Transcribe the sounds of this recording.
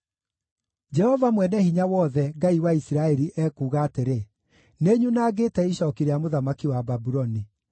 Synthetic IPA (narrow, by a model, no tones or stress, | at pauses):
d͡ʒɛhɔvamwɛnɛhiɲawɔːðɛɡaiwaisiɾaɛɾiʔɛkuːɣaːteɾe | neɲunaːɡeːtɛiɕɔkiɾeamoðamakiwababuɾɔni